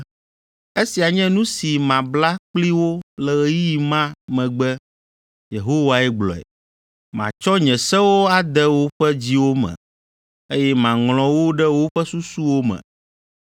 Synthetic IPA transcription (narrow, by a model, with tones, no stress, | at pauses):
e˦si˨a˨ɲɛ̃˦nũ˦si˨mã˨bla˦k͡pli˦wo˦lɛ˨ɣɛ˨˦ji˦i˨mã˦mɛ̃˨ɡ͡bɛ˦ | je˨ɦo˦wa˨ɛ˦ɡ͡blɔ̰˨ɛ̰˨ | mã̰˨t͡ʃɔ˦ɲɛ̃˨sɛ˦wo˦a˦d̪ɛ˦wo˦ɸɛ˦d͡ʑi˦wo˦mɛ̰̃˨ | e˦jɛ˦mã˨ŋlɔ̃˨wo˦ɖɛ˦wo˦ɸɛ˦su˦su˦wo˦mɛ̰̃˨